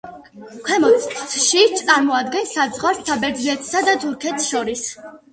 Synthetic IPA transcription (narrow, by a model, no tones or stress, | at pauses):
kʰwɛmɔt̪ʃiaɾmɔad̪ɡɛnsazʁwaɾssabɛɾd̪zlɛt̪ʰsad̪at̪ʰuɾkʰɛt̪sʃɔɾis